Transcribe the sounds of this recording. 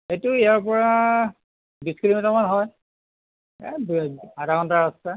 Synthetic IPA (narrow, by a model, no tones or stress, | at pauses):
hetʊijaɹpɔɹa | bisklimitamanɦɔj | ɛ̰badakɔntaasta